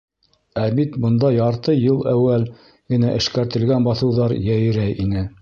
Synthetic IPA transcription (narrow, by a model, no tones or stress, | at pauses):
æbit̪bɤ̆nd̪ɑjɑɾt̪ɤjɤlˠæwːæl | ɡɘ̆næʔɘ̆ʃkæɾt̪ɘ̆lɡænbɑθɤ̆wðɑɾjæj̆ɾæjʔinɘ